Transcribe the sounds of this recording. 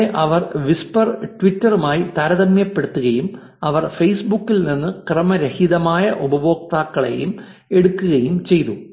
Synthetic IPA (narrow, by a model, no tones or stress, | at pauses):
eʔɐʋɐrʋispɐrʈʋitːɐrumaːjit̪ɐɾɐðɐmjɐpːe̞ɽut̪ːuɣɐjum | ɐʋɐrfejsbukːilninːɨkrɐmɐɾɐhiðɐmaːjɐʔubɐbo̞ːk̚t̪aːkːɐɭe̞̰jum | e̞ɽukːuɣɐjumt͡ɕe̞jt̪u